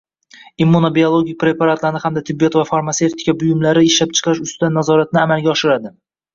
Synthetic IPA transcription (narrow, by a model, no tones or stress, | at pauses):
imːunobiolˠoɡʲik̚ʲpɾe̞pʰaɾat̪laɾnɪhamd̪at̪ʰɪbːijɒt̪vafaɾmase̞ft̪ʰɪ̥kʲabʊjʊmlaɾɪɪʃlap̚t͡ʃʰɨ̥qʰɪʃʊst̪ɪd̪anːazɒɾat̪̚nɪamalˠɡʲaɒʃɪɾad̪ɪ